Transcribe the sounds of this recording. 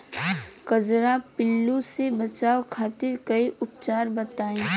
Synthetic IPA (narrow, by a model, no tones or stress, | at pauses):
kɐd͡ʒɾapɪlːusebɐt͡ʃaːokʰaːt̪ɪɾkɐiʔʊp̚t͡ʃaːɾbɐt̪aːẽː